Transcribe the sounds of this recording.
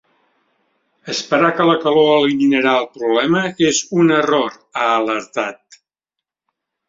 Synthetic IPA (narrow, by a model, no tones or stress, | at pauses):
əspəɾakələkəloəliminəɾaəlˠpɾuβlɛməezunəroɾ | aːləɾt̪at̪̚